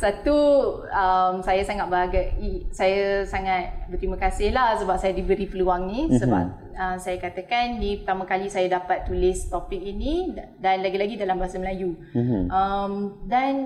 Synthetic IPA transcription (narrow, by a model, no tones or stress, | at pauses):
sat̪u | əmsajasaŋat̪̚bəaɡəʔisajasaŋat̪̚bət̪ɾimə̃kasɪhlahsəbap̚sajadibəɾipəluaŋnisəba̰p̚ | əmsajakat̪əkandipərt̪amãkalisajadapat̪ːulɪst̪opɪk̚ini | danlaɡilaɡidalambaɦasaməlajuʔəmdan